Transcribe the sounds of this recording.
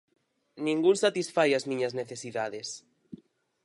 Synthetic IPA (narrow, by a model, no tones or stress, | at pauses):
nĩŋɡunsat̪isfajazmĩɲɐzneθesiðaðes